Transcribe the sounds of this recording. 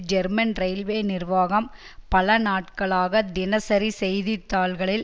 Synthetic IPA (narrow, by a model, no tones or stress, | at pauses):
d͡ʒɛɾmɐnɾɐɪlʋeːnɪrʋaːɣɐm | pɐlɐnaːʈkɐɭaːɣɐd̪ɪnɐsɐɾisɛjðit̪ːaːɭɣɐɭɪl